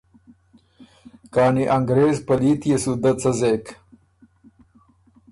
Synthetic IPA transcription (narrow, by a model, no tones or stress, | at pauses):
kaːniʔɐŋɡɾeːzpɐliːt̪jesud̪ɐt͡sɐzek